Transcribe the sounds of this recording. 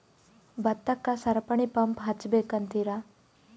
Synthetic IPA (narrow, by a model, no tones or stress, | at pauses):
bɐt̪ːɐkːasɐɾpɐɳ̃ipɐmpɦɐt͡ʃːbeːkɐnt̪iɾa